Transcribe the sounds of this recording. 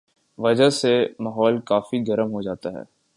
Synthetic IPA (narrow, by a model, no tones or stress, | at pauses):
ʋɐd͡ʒasemaːɦɔːlkaːfiɡɐɾəmɦod͡ʒaːt̪aɦɛ̰ː